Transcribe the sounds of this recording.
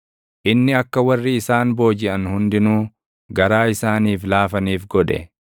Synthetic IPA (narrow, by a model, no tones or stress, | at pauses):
ʔɪnːɪɐkːɐwɐrːɪːsaːnbo̞ːd͡ʒɪʔɐnhʊnd̪ɪnuː | ɡɐɾaːɪsaːniːflaːfɐniːfɡɔᶑɛ̰